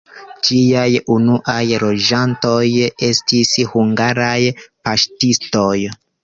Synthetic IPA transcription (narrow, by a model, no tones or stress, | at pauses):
d͡ʒiajunuʔajlo̞d͡ʒanto̞je̞stishuŋɡaɾajpaʃtisto̞j